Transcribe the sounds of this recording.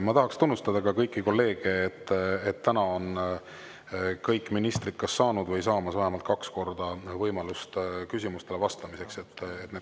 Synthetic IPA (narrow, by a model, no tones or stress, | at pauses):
mɑt̪ɑɦɑkst̪unːust̪ɑd̪ɑkɑkɤjkːiko̞lːe̞ːɡ̥e̞et̪ːˑet̪ːænɑo̞n | kɤjkːˑminist̪rit̪̚kɑsːɑːnud̪̥vɤjsɑːmɑsvæɦemɑlt̪̚kɑksko̞rd̪̥ɑvɤjmɑlust̪kysʲimust̪e̞le̞vɑst̪ɑmise̞kse̞t̪ːet̪ne